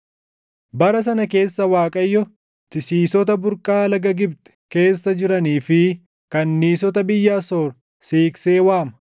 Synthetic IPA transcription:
bɐɾɐs̬ɐnɐke̞ːsːɐwaːkʼɐjːɔ | t̪ɪsiːsɔt̪ɐbʊɾkʼːaːlɐɡɐɡɪbt̪ɛ̥ke̞ːsːɐd͡ʒɪɾɐniːfɪ | kɐnːiːs̬ɔt̪ɐbɪjːɐɐsoːɾ | siːkse̞ːwaːmɐ

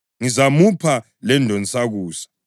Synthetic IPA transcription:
ŋizamupʰa | lɛndʱɔnt͡sʼaɣuːsḁ

